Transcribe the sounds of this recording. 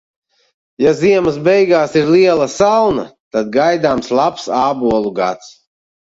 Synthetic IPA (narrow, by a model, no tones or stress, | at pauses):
jaziɛməs̬bɛjɡaːsiɾliɛlˠasalna̰t̪ad̪̚ɡajd̪aːmslˠapsaːbuɔlˠuɡa̰t̪s